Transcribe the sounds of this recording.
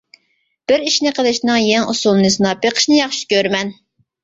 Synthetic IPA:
b̥ɪɾiʃnɪqʰəlˠɨʃnɨŋjɛŋusulˠnɨsɨnɑpeqʰə̥ʃnɨjɑχʃu̥kʲøɾmɛn

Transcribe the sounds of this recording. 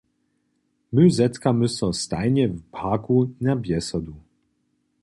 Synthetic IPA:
mɘzɛt̪kamɘsɔ̃st̪ajɲɛvpʰakunabʲjɛsɔd̪u

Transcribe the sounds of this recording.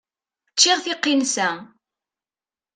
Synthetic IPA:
t͡ʃːɪʁθɪqːinsæ

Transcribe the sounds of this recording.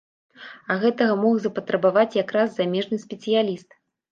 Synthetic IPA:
ɐɣɛt̪ɐɣɐmɔxzɐpɐt̪ɾɐbavat͡sʲjakɾazːamʲɛʐnɨspʲɛt̪sɨjalʲist̪

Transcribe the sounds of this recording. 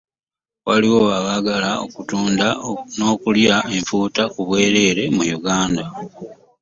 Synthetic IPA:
waliwo̞aβaɡalaokutuːndano̞ːkuljae̞ɱfuːtakuβwe̞ːɾe̞ːɾe̞mujuɡaːnda

